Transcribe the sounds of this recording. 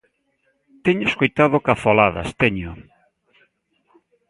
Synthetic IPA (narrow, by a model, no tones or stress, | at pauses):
t̪eɲʊeskojt̪að̞okafolaðɐ̰st̪eɲʊ